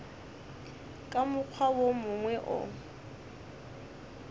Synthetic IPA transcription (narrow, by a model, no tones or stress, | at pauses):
kʼamʊk͡xʰwawomʊŋwɛʔʊ̰